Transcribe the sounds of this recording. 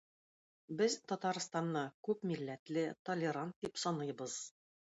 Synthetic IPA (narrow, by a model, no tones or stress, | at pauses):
bɘzt̪ɒt̪ɑɾst̪ɑnːɑkʉpmilːæt̪lɘt̪olʲɪɾant̪̚d̪ipsɒnɤjbɤz